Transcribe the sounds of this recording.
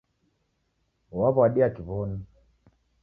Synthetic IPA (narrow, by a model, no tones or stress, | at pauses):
waβɔaɗiakiβɔni